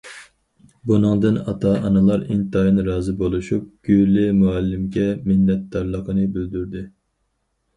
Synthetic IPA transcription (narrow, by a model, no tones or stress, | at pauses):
bunɨŋd̪ɨnɑ̰t̪ʰɑʔɑnɨlˠɑɾint̪ɑjinɾɑːzɨbolˠuʃup̚ɡ̥ʲylɪmuɛlːɪmɡʲɛmɪnːɛt̪̚d̪ɑɾlˠəqʰənɨbyld̪yɾd̪ɪ